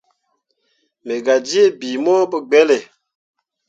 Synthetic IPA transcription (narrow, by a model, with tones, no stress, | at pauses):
me˨ɡa˨di˦e˦˨bi˨mɔ˦bə˦ɡ͡bɛ˦le˨